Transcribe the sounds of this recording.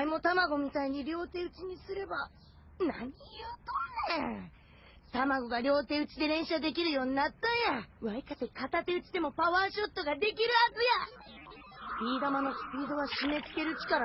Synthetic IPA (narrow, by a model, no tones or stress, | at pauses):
imo̞t̪amaɡo̞mʲit̪aiɲ̟iɾʲo̞ːt̪e̞ːɯ̟t͡ɕiɲ̟isɨɾe̞ba | na̰ | e | t̪amaɡo̞ɡaɾʲo̞ːt̪e̞ɯ̟t͡ɕid̪e̞ɾẽ̞ɰ̃ɕad̪e̞k̬ʲiɾɯ̟jo̞ːɲ̟inat̪ːãɰ̃jaɯβaikat̪ekat̪at̪ːe̞ɯ̟t͡ɕid̪e̞mo̞paβaːɕo̞t̪ːo̞ɡad̪e̞k̬ʲiɾɯ̟hazɨja | pʲiːd̪amano̞sɨ̥pʲiːd̪o̞β̞aɕime̞t͡sɨ̥ke̞ɾɯ̟t͡ɕi̥kaɾa